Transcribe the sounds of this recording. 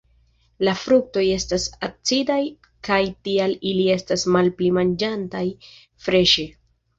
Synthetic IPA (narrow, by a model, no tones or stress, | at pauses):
lafɾuk̚to̞je̞stasat͡sidaj | kajtialilie̞stasmalplimand͡ʒantaj | fɾe̞ʃe